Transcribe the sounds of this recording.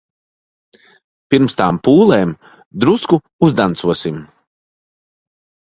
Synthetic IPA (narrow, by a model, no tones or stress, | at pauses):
piɾmst̪aːmpuːlˠeːm | d̪ɾusku | uzd̪ant̪suɔsim